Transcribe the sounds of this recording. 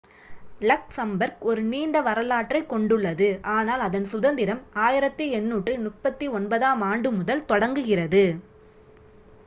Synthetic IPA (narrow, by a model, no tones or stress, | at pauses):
lɐksɐmbɐɾkɔɾɯniːɳɖɐʋɐɾɐlaːʈrɐɪkɔɳɖɯɭːɐðɯʔaːnaːlɐðɐnsʊðɐnd̪ɪɾɐmaːjɪɾɐt̪ːɯɛnːuːʈrɯnʊʈpːɐt̪ːiɔnbɐðaːmaːɳɖɯmʊðɐlt̪ɔɽɐŋɡɯɣɪrɐðɯ